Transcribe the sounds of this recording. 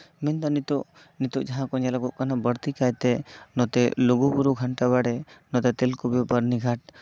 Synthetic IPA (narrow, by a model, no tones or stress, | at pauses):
mɛnt̪anit̪uʔ | nit̪uʔd͡ʒaɦãkɔɲɛlaɡɔʔkanabəɾt̪ikajt̪ɛnɔt̪ɛluɡubuɾuɡʱaɳʈaβaɽɛnɔt̪ɛt̪ɛlkubbəɾniɡʱaʈ̚